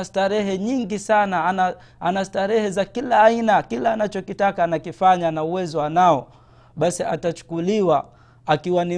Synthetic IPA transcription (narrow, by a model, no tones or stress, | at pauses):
astaɾɛɦɛɲiŋɡisanana | anastaɾɛhɛzakilaːinakilaːnat͡ʃɔkitakaːnakifaɲanauwɛzɔwanaɔ | ɓasiʔatat͡ʃu̥kuliwa | akiwani